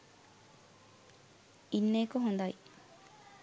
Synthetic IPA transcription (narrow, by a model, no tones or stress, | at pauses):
inːeːkuɦond̪ɐj